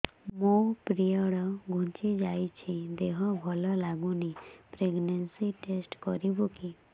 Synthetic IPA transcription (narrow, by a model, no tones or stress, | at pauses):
mõpɾijəɽɔɡʱũt͡ʃid͡ʒajt͡ʃʰid̪eɦɔbʱɔlɔlaɡũnipɾeɡnensiʈesʈkɔɾibuki